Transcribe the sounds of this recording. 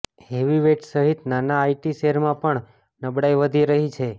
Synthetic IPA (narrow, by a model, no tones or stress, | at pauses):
ɦeʋiʋeʈsəɦit̪nanaːiʈiseɾmãpəɳ | nəbɽajʋəd̪ʱiɾəɦit͡ʃʰe